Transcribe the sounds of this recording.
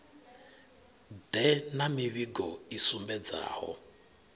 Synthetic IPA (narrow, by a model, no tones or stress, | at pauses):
dɛnamiβiɡɔisumbɛd͡za̰ːhɔ̰